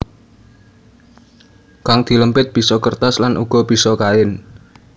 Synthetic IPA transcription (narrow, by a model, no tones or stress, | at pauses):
kaŋd̪̥i̤ləmpɪt̪̚b̥i̤sɔkərt̪aslanʔṵɡ̥ɔ̤b̥i̤sɔkaɪn